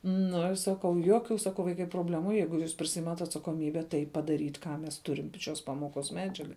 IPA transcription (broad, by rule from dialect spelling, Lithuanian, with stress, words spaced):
nʊ sɐˈkɐʊ ˈjuɔkʲʊ sɐˈkɐʊ ˈʋɐɪkɐɪ proːbʲˈlʲæːmʊ ˈjɛɪɡʊ juːs pʲrʲɪˈsʲɪɪmɐtʲ ɐtsɐkoːˈmʲiːbʲɛ tɐɪ pɐdɐˈrʲiːtʲ ˈkɑː mʲɛs ˈtʊrʲɪm p ʃʲoːs ˈpɑːmoːˌkoːs ˈmʲæːd͡ʒʲɛɡɐ